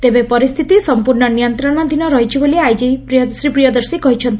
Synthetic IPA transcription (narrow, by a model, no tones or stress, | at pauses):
t̪ebepɔɾist̪ʰit̪isɔmpuɾɳɔnijɔnt̪ɾɔnɔd̪ʱinɔɾɔɦit͡ʃʰiboliajd͡ʒipɾijɔsɾipɾijɔd̪ɔɾsikɔɦit͡ʃʰɔnt̪i